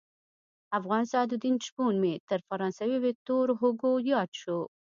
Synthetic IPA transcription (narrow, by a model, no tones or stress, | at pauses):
afɣɑnsɑd̪ud̪int͡ʃbunmet̪əɾfaɾɑnsawewet̪oɾɦʊɡojɑt̪ʃo